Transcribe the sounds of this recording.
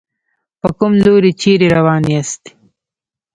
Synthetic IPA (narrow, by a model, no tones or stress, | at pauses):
pəkʊmzoːɾit͡ʃeɾeɾawɑːniast̪i̥